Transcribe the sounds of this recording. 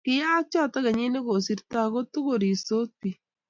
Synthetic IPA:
kɪ˦jaː˦t͡ʃɔ˦ta˦ɣa˨ɲi˦ne˦ko˨si˦ɾta˦ko˦tu˦ko˨ɾi˨so˦ti˨

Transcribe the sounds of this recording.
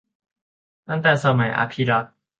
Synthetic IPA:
a˦nt̪a˥˧sama˨j̰ʔa̰˨pʰiɾa

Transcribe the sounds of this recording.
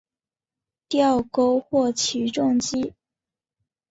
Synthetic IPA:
t̪jɑ˥˧ʊko˥ʊxwɔ˥˩t͡ɕʰi˧˥ʈ͡ʂʊ˥˩ŋt͡ɕi˥

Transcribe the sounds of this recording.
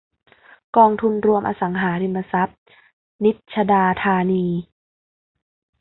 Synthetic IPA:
kɔː˧ŋt̪ʰu˧nɾu˧əmʔaː˧sa˩˦ŋɦaː˩˦ɾi˧mːa˧sa˦˥p̚ | ni˦˥t̪̚t͡ɕʰa˧daː˧t̪ʰaː˧niː˧

